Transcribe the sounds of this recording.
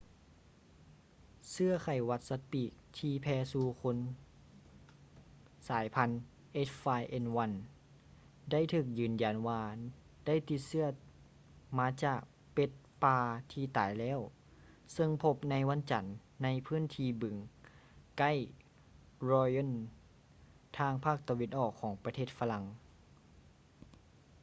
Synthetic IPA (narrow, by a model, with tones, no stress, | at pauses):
sɯ˥˩ɐkʰa˨˩jwa˧t̪̚sa˧˥t̪̚piː˧˩k̚t̪ʰiː˧pʰɛː˧suː˧kʰo˧˥n | saː˩˦jpʰa˧˥n | ʔe˧˥tfaː˧jʔe˧nwa˧˥n | da˥˩˨jt̪ʰɯː˧˩k̚jɯː˨˩nja˨˩nwaː˧ | da˥˨jt̪i˧t̪̚sɯ˧˥˩ɐ | maː˧˥t͡ɕaː˧˩k̚ | pe˧˦t̪̚paː˧t̪ʰiː˧t̪a̰ː˨˦jlɛː˧˥˨w | sɤ˧ŋpʰo˧p̚na˧˥jwa˧˥˨nt͡ɕa˨˩nː | a˧˥jpʰɯː˧˥˨nt̪ʰiː˧bɯ˨˩˦ŋ | ka˥˨j | ɾɔː˧jo˧˥˨n | t̪ʰaː˧ŋpʰaː˥˩k̚t̪a˧we˧nʔɔː˧˩kʰːɔː˩˦ŋpa˧t̪ʰeː˥˩t̪̚fa˧la˧˥ŋ